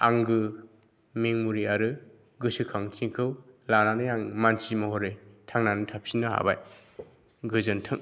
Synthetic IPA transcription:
aŋɡɯ | meŋmuɾiaɾɯ | ɡɯsɯkʰaŋtʰiŋkʰɯwlananɯjaŋmansimɔɦɔɾɯtʰaŋnanɯtʰap̚sinɯha̰baj | ɡɯzɯntʰɯŋ

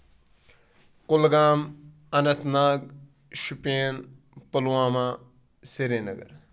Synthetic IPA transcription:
kʊlɡaːm | ɐnɐt̪ʰnaːɡ | ʃupeːn | pɐlwaːmãː | seɾeːnɐ̰ɡɐ̰ɾ

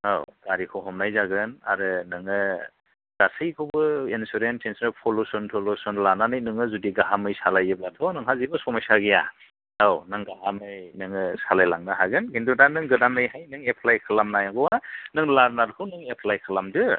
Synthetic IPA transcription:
a̰wɡ̥aɾikʰɔɦɔmnajzaɡɯnaɾɯnɯŋɯ | d̥asɯjkʰɯwbɯinsuɾentʰensɾɯpʰɔlosɔntʰɔlosɔnlananɯjnɯŋɯzudiɡaɦamɯjsalajɯblatʰɔnɯŋɦazibɯsɔmajsaɡija̰ | awnɯŋɡaɦamɯjnɯŋɯsalajlaŋnɯɦaɡɯnkʰindudanɯŋɡɯdamnɯjɦajnɯŋepʰlajkʰɯlamnajaɡɔwanɯŋlaɾnaɾkʰɯnɯŋepʰlajkʰɯlamdɯ

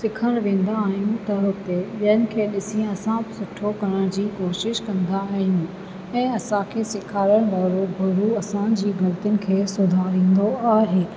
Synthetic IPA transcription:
sɪkʰəɽ̃ʋẽːn̆d̪aːɦijũt̪ɐɾʊt̪eɓɐɦənɪ̆kʰeːɗɪsĩɐsãbɪsʊʈʰokɐɽəɽ̃d͡ʑiːkoːʃɪʃkɐ̃nd̪aːɦijũ | ɛ̃ːɐsãkʰeːsɪkʰaːɾəɽ̃ʋaːɾobʱʊɾuɐsãːd͡ʑiːɡʱɐlt̪ijʊnɪ̆kʰeːsʊd̪ʱaːɾĩːn̆d̪oaːɦeː

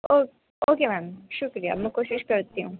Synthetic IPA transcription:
o | oːkemɛːmʃʊkɾija̰mɛkoːʃɪʃkɐɾt̪iɦũː

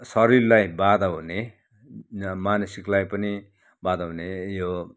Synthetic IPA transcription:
sʌɾillajbad̪ʱaɦune | manʌsiklajpʌni | bad̪aɦunejo

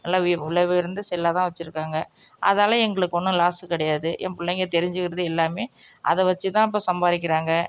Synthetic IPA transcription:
nɐlːaːʋɪɪlɐʋɯɪɾɯnd̪ɯsɛlːaːt̪ãːʋɐt͡ʃːɪɾɯkːaːŋɡɐ | ʔɐ̰ðnaːlɐ̃ɛŋɡɐɭɯkːɯʋɔnːɯ̃laːsɯkɪɽɐjaːðɯʔɛ̰mpʊɭːɐŋɡɐt̪ɛɾɪɲd͡ʒɯɣɪɾɐðɯɛlːaːmeː | ʔɐ̰ðɛʋɐt͡ʃːɯt̪ãːɪp̬ːoːsɐmbaːɾɪk̬ʲːɪɾaːŋɡɐ

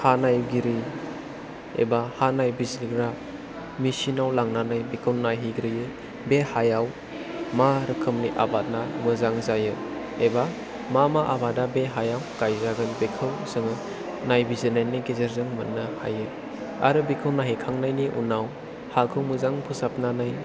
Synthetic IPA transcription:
hanajɡiɾi | ḛbahanajbizliɡɾa | misinawlaŋnanajbikʰɯwnajɦiɡɾɯjɯ | behajaw | maɾɯkʰɯmniʔabat̚namɯzaŋzajɯ | eba | mamaʔabadabeɦajawɡ̥ajzaɡɯnbekʰɯwsɯŋɯ | najbizɯnajniɡizeɾzɯŋmɯtnɯha̰jɯ | a̰ɾɯbikʰɯwnaɦikʰaŋnajniʔṵnaw | hakʰɯwmɯzaŋpʰusap̚nanaj

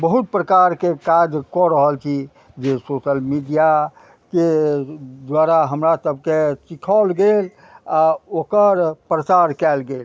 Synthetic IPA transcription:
bəɦut̪̚pɾəkaɾkekad͡ʒkɔɾəɦəlt͡ʃʰi | d͡ʒesosəlmiɖija | ke | d̪waɾaɦəmɾasəbkesikʰalɡel | aokəɾpɾət͡ʃaɾkɛlɡel

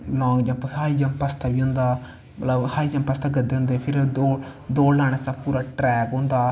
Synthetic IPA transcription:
lɔ̃ːɡd͡ʒə̃mpəhaːiːd͡ʒəmpəst̪ʰaːbiːɦʊ̃nd̪aː | mət̪ləbhaːid͡ʒəmpəst̪ʰaːɡəd̪ːeːɦʊ̃ːnd̪eːpʰɪɾd̪oːd̪oːɽlaːɽ̃eːsabpuːɾaːʈɾɛːkɦʊ̃nd̪aː

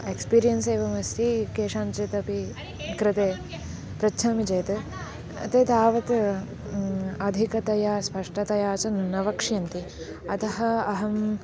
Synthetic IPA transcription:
ekspiːɾijɐnseːʋɐmɐsikeːʂãːnt͡ʃet̪ɐpi | kɾɪt̪eː | pɾɐt͡ʃʰɐːmid͡ʒeːt̪ɐ | ɐ̰t̪eːt̪aːʋɐt̪ | ɐd̪ʱikɐt̪ɐjaːspɐʂʈɐt̪ɐjaːt͡ʃɐnɐʋɐkʂjɐnt̪i | ɐt̪ɐɦɐ̆ɐɦɐm

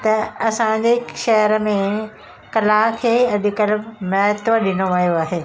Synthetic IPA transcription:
t̪ɐɐsãd͡ʑeʃɐɦəɾəmẽ | kɐlakʰeːɐɗikəlmɐɦt̪ʋəɗɪnoʋɐjoaːɦeː

